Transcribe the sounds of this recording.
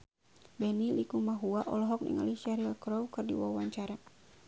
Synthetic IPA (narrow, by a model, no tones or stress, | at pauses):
bɛnilikumaɦuaʔɔlɔɦɔk̚nḭŋa̰liʃaɾilkɾɔwkɨrdḭwawaɲt͡ʃaɾa